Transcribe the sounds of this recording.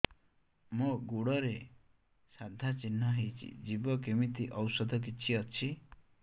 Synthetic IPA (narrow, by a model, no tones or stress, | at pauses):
moɡuɽɔɾe | sad̪ʱat͡ʃinːɔɦejt͡ʃʰḭd͡ʒibɔkemit̪iʔɔwsɔd̪ʱɔk̬it͡ʃʰiɔt͡ʃʰi